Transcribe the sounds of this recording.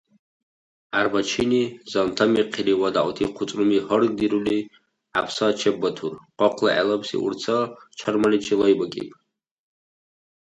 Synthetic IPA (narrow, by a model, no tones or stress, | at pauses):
arbat͡ʃʰinizant̪ʰamiqʰiliwad̪aʔwtʰiqʰʷʊt͡sʼrumihərɡ̚d̪iɾuli | apʰsat͡ʃʰɛbːatʰurqʼɔqʰlˠa̰ʔa̰lapʰsḭʔṵrt͡sʰat͡ʃʰarmanit͡ʃʰilajbakʼḭpʼ